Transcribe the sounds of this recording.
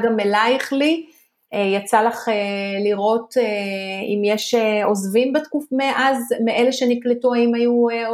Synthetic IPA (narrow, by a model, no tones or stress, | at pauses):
ɡamelaiχli | ejat͡salaχeliʁo̞teḭmjeʃeozvimbet̪kufmeʔazmeʔeleʃenikletuaimaju